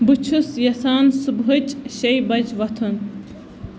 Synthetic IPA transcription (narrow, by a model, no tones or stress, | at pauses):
bɨt͡ʃʰusjɐsaːnsubɦɨt͡ʃɕɐjbɐd͡ʑʋɐt̪ʰun